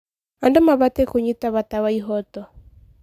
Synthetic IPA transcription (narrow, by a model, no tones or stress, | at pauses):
andomaβatɛkoɲitaβatawaiɦɔtɔ